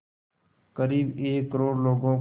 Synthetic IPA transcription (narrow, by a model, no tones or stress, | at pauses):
kəɾiːbeːkːəɾoːɽloːɡõː